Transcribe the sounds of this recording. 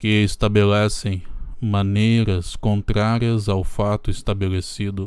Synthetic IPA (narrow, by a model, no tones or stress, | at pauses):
kɪɪst̪abelɛsẽj̃mɐ̃nejɾɐskõnt̪ɾaɾiɐzawfat̪ʊɪst̪abelesid̪ʊ